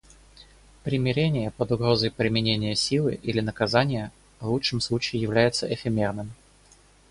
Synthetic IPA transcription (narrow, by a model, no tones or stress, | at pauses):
pɾʲɪmʲɪɾʲenʲɪjəpəd̪ʊɡɾo̞zəjpɾʲɪmʲɪnʲenʲɪjəsʲilˠɨ̰ʔilʲɪnəkɐzanʲɪjə | vlˠut͡ʂʂːɨmslˠut͡ɕɪɪjɪvlʲæjɪt̪səʔɪfʲɪmʲe̞rnɨm